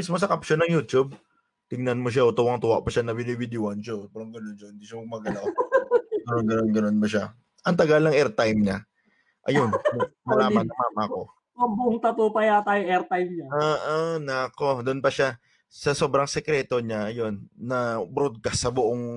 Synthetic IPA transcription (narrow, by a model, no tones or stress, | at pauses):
mɪsmosɐkapʃonɐŋjuːt̪ub̚ | t̪ɪŋnɐnmoʃ̬aʔot̪ʊwɐŋt̪ʊwa̰ʔpɐʃanɐbɪnɪbɪd̪ɪoɐnʃobɛɾɐŋɡɐnonʃohɪnd̪iːʃɐmɐɡ̚mɐɡɐlaw | ɡɐnonɡɐnonɡɐno̞nbɐʃa | ʔɐŋt̪ɐɡalnɐŋʔɛɾt̪ajmɲa | ʔɐjonmmɐlaːmɐnːɐŋmaːmɐɐko̞ | ɐbʊʔoŋt̪ɐt̪oːpɐjat̪aːjoŋɛɾt̪ajmɲaaʔanɐɐko̞d̪ʊnpɐʃa | sɐso̞bɾɐŋsɛkɾɛːt̪o̞ɲaʔɐjo̞nːɐbɾod̪̚kɐsːɐbʊʔoŋ